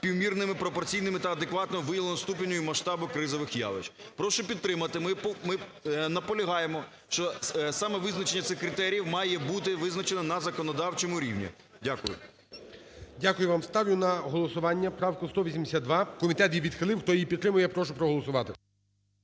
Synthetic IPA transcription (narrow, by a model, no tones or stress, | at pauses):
pʲiwmʲirnɪmɪpɾɔpɔrt͡sʲijnɪmɪt̪ɐɐd̪ekʋɑt̪nɔmʊʋɪjɐlˠnɔst̪up̬ʲɪnʲːɔjʊmɐʃt̪ɑbʊkɾɪzɔʋɪxja̰ʋɪ̰t͡ʃpɾɔʃʊpʲid̪ːɾɪmɐt̪ɪmɪpɔmɪnɐpɔlʲɐɦɑjemɔ | ʃt͡ʃɔsɑmɛʋɪznɐt͡ʃenʲːɐt̪sɪxkɾɪt̪ɛɾʲjiwmɑjɛbut̪ɪʋɪznɐt͡ʃenɐnɐzɐkɔnɔd̪ɑwt͡ʃemʊɾʲḭwnʲḭ | dʲakʊjʊ̰ | dʲakʊjʊʋɑmst̪ɑʋjʊnɐɦɔlˠɔsʊʋɑnʲːɐpɾɑwkʊst̪ɔʋʲisʲimd̪esʲad̪d̪ʋɑkɔmʲit̪ɛt̪jʲiʋʲid̪xɪlˠɪwxt̪ɔjjipʲit̪t̪ːɾɪmʊjɛpɾɔʃʊpɾɔɦɔlˠɔsʊʋɑt̪ɪ